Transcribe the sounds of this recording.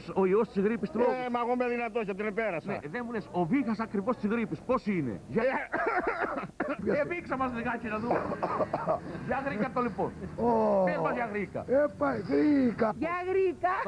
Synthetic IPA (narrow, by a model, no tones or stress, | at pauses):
soiost̪izɣɾipist̪ɾoɛmɐɣomɛðinɐt̪oʃɐt̪̬inepeɾɐsnḛðemulesoviɣɐsɐkɾivost̪izɣɾipisposinḛʝa | eviksɐmɐzðiɣacinɐðu | ʝɐɣɾikɐt̪oliponoezmɐzʝɐɣɾikɐ̰epajɣɾikɐʝaɣɾikɐ